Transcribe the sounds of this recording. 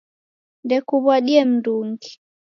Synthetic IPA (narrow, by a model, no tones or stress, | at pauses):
ndɛkuβwaɗiɛm̩nduŋɡi